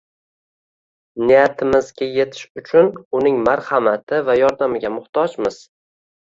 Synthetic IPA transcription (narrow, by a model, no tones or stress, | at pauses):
nɪjat̪ʰɪmɪzɡʲaje̞t̪ʰɪ̥ʃʊt͡ʃʰʊnʊnɪŋmaɾhamat̪ʰɪvajɒɾd̪amɪɡʲamʊχt̪ʰɒd͡ʒmɪz̥